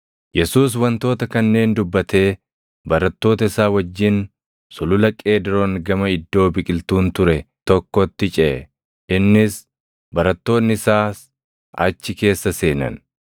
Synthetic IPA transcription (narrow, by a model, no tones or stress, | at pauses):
jɛsuːs̬wɐnt̪o̞ːt̪ɐkɐnːe̞ːnd̪ʊbːɐt̪ʰe̞ː | bɐɾɐt̪ːo̞ːt̪ɐɪsaːwɐd͡ʒːɪn | sʊlʊlɐkʼeːd̪ɪɾɔnɡɐmɐɪd̪ːo̞ːbɪkʼɪlt̪uːnt̪ʊɾɛt̪ɔkːɔt̪ːɪt͡ʃʼɛ | ɪnːɪs | bɐɾɐt̪ːo̞ːnːɪɪsaːs | ɐt͡ʃːɪke̞ːsːɐse̞ːnɐ̰n